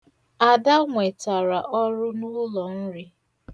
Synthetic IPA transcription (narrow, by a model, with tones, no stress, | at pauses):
a˨da˦ŋʷe˨ta˨ɾa˨ʔɔ˦ɾʊ˦nu˦lɔ˨n̩˦ɾɪ˦